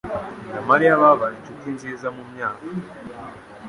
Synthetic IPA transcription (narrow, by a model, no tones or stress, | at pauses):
jamaɾijaβaβaɾicukind͡ʒizamumɲaːka